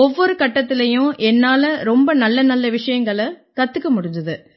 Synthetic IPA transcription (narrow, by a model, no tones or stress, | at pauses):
ɔʋːɔɾɯkɐʈːɐt̪ːɪlɐjʊ̃ʔɛnːaːlɐɾɔmbɐnɐlːɐnɐlːɐʋɪʂɐjɐŋɡɐɭɐkɐt̪ːɯkːɐmʊɽʊnd̪ɐðɯ